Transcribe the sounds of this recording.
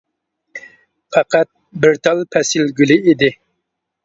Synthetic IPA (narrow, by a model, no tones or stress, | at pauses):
pʰɑqæt̪̚ | bɪɾt̪ʰɑlˠpʰɛsɪlɡʲylɪid̪ɪ